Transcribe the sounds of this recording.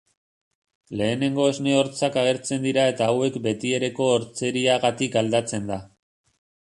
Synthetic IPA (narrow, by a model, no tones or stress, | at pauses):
le̞ːne̞ŋɡo̞ezne̞o̞ɾt͡sakaɣ̞e̞ɾt͡se̞nd̪iɾae̞t̪aːwe̞kbe̞t̪ie̞ɾe̞ko̞ːɾt͡se̞ɾiaɣat̪ikald̪at͡se̞nd̪a